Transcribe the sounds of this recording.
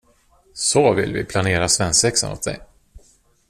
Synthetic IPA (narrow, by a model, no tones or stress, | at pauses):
sɔvɪ̰lvɪpʰlaneːɾasvɛnsvɛksə̰nɔ̰t̪̚d̪ɛ̰j